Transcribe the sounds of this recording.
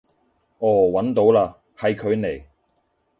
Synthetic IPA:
ʔɔː˨˩wɐ˨˥nt̪o˨˥wlaː˧ | hɐ˨jkʰɵ˨˧ɥne˨˩j

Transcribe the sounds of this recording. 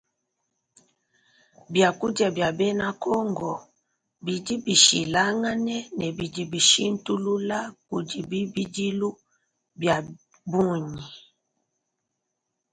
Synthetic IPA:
bja˨ku˦d͡ʒa˨bja˨bɛ˦na˦kɔ˦ŋɡɔ˨ | bi˨di˦bi˨ʃḭ˨la˦ŋa˦nɛ˦nɛ˨bi˨d͡ʒi˨bi˨ʃi˦n̩˦tu˦lu˦la˦ku˨d͡ʒi˨bi˦bi˦d͡ʒi˦lu˦ | bja˨ | bu˦ɲi˨

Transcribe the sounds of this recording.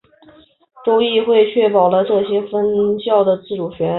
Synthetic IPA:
ʈ͡ʂʊ˥ʊi˥˧xwe˥˧ɪt͡ɕʰɥɛ˥˩pɑ˨˩ʊlə˦ʈ͡ʂɤ˥˩ɕjɛ˥fə˥nɕjɑ˥˩ʊd̪ə˩t͡sɹ̩˥˩ʈ͡ʂu˨˩ɕɥɛ˧˥˧

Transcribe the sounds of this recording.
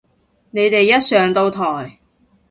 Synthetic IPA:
ne˨˧jt̪e˨jːɐ˥t̚sœː˨˧ŋt̪o˧wt̪ʰɔː˨˩j

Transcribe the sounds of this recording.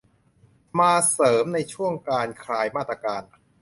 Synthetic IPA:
maː˧sɤː˩˦mna˧jt͡ɕʰu˥˩əŋkaː˧nkʰɾaː˧jmaː˥˩t̪ɾaː˧kaː˧n

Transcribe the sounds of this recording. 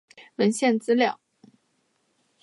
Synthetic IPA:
wə˧˥nɕjɛ˥˩nt͡sɹ̩˥ljɑ˥˩ʊ

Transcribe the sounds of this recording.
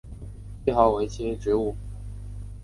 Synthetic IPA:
i˧˥xɑ˧˥ʊwe˧˥ɪt͡ɕʰi˥ʈ͡ʂɻ̩˧˥u˥˩

